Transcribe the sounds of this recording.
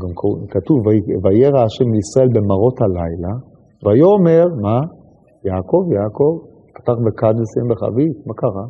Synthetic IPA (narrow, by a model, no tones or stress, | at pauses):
ɡamkkatuvavajeʁaaʃemliisʁae̞lbe̞maʁo̞thalajla | vajoːme̞ʁma | jaːko̞vjako̞v | pḁtaχbekadesembeχa̰vitmakaʁa